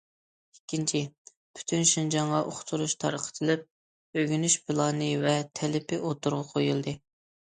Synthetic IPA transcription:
ikʲːint͡ʃʰi | pʰy̥t̪ʰynʃind͡ʒɑɴʁɑʔoχʰʊ̥t̪ʰuɾuʃt̪ʰɑ̰ɾəqʰə̥t̪ʰɨlɪp̚ | øɡʲynyʃpʰɨlˠɑːnɨvɛt̪ʰɛlɪpɪʔot̪uɾʁɑqʰojulˠd̪ɨ

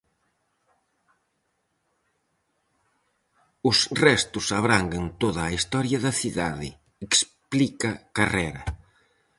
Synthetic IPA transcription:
ʊsrɛst̪ʊsaβɾaŋɡɐnt̪oðɐːist̪ɔɾjɐðɐθiðaðɪ̰ | eksplikɐkarɛɾɐ̰

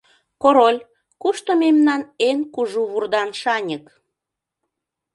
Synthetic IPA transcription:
koɾolʲ | kuʃt̪omemnɑnenkuʒuβurd̪ɑnʃɑnʲək

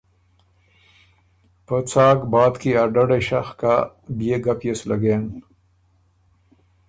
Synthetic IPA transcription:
pət͡saːɡbɑːd̪kiaɾɖaɖaʃaxka | bijeɡapjeslɐɡeːn

